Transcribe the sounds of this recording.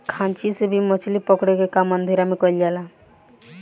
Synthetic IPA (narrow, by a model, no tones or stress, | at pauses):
kʰãnt͡ʃisebʱimɔt͡ʃʰlipɔkɽekekamːənd̪ʱeɾamekɔljala